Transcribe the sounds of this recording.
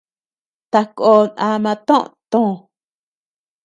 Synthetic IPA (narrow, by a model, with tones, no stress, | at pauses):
t̪a˧ko˧nʔã˧mã˧t̪õ˦ʔt̪õ˦˨